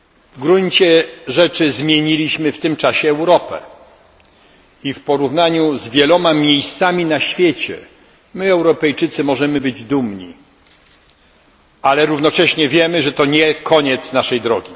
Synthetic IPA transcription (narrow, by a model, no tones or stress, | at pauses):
vɡɾuɲt͡ɕɛʐɛt͡ʂɘzmʲjeɲilʲiɕmɘft̪ɘmt͡ʂaɕɛːwɾɔpɛ̰ | ifpɔɾuvnaɲuzvʲjɛlɔmamʲjejst̪samʲinaɕfʲjet͡ɕɛ̰ | mɘɛwɾɔpɛjt͡ʂɘt̪sɘmɔʐɛmɘbɘd͡ʑd̪umɲḭ | alɛɾuvnɔt͡ʂɛɕɲɛvʲjɛmɘʐɛt̪ɔɲɛkʰɔɲɛt̪snaʂɛjd̪ɾɔɡʲi